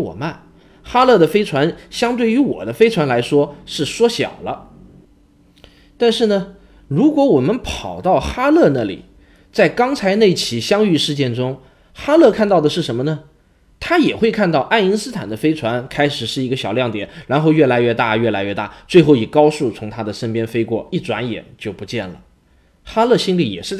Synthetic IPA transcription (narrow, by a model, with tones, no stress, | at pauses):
wɔ̰˨˩ma˥˩n | xa˥lɤ˥˩d̪ə˩fe˥ɪt͡sʰwa˧˥nɕjɑ˥ŋt̪we˥˩ɪy˧˥wɔ̰˨˩d̪ə˦fe˥ɪt͡sʰwa˧˥nla˧˥ɪʂwɔ˥ʂɻ̩˥˩ʂwɔ˥ɕjɑ̰˨˩ʊlə˦ | t̪a˥˧nʂɻ̩˥˩nə˩ | ɻu˧˥kwɔ˧˥wɔ˨˩mə˦npʰɑ˨˩ʊt̪ɑ˥˩ʊxa˥lɤ˥˧na˥˩lḭ˨˩ | t͡sa˥˩ɪkɑ˥ŋt͡sʰa˧˥ɪne˥˩ɪt͡ɕʰi˧˥ɕjɑ˥ŋy˥˧ʂɻ̩˥˧t͡ɕjɛ˥˩nʈ͡ʂʊ˥ŋ | xa˥lɤ˥˧kʰa˥˧nt̪ɑ˥˩ʊd̪ə˩ʂɻ̩˥˩ʂə˧˥nmə˧nə˩ | t̪ʰa˥jɛ˨˩xwe˥˧ɪkʰa˥˧nt̪ɑ˥˧ʊʔa˥˩ni˥nsɹ̩˥t̪ʰa̰˨˩nd̪ə˦fe˥ɪʈ͡ʂʰwa˧˥nkʰa˥ɪʂɻ̩˨˩ʂɻ̩˥˩i˧˥ɡə˧ɕjɑ˨˩ʊljɑ˥˩ŋt̪jɛ˨˩˦nɻa˧˥nxo˥˧ʊɥɛ˥˩la˧˥ɪɥɛ˥˧t̪a˥˩ɥɛ˥˩la˧˥ɪɥɛ˥˧t̪a̰˥˩t͡swe˥˧ɪxo˥˩ʊi˨˩kɑ˥ʊʂu˥˩t͡sʰʊ˧˥ŋt̪ʰa˥d̪ə˨ʂə˥npjɛ˥nfe˥ɪkwɔ̰˥˩i˥˩ʈ͡ʂwa˧˥njɛ̰˨˩nt͡ɕjo˥˩ʊpu˧˥t͡ɕjɛ˥˩nlə̰˩ | xa˥lɤ˥˩ɕi˥nli˧˥jɛ̰˨˩ʂɻ̩˥˧˥